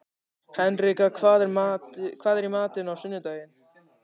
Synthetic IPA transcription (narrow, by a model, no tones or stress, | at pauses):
hɛnrɪkakʰvaːðɾmakʰv̥aːðɛɾimaːt̪ɪnawsʏnːʏt̪aːjɪn